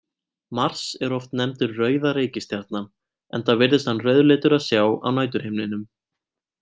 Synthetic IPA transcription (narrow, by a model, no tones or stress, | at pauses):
mar̥sɛɾɔft̪nɛmt̪ʏɾrœːɥðaɾeːjcɪst̪jaɾ̥t̪nan | ɛ̰nθavɪɾðɪst̪hanrœɥðleːt̪ʏɾaðsjaːwa̰wnaːjt̪̬ʏɾ̥hemnɪnʏm